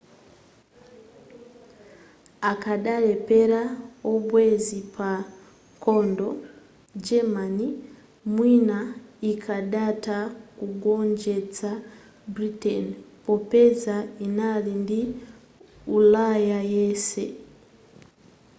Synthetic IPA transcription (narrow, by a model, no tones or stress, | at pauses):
akaɗalepeɾaobwezipa | kondo | d͡ʒemani | mwinaikʰaɗatakuɡoɲd͡ʒet͡sa | bɾitenpopezainalindi | ulajajesḛ